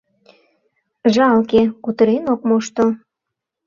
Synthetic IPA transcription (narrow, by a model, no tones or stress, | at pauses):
ʒɑlkekut̪əɾenok̚moʃt̪o